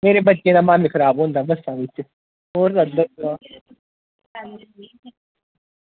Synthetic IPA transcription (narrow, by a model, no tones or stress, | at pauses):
meːɾebɐt͡ʃkenamãːmikʰɐɾaːbõːnd̪abɐsaːʋisʰe | oːɾɐd̪ɐa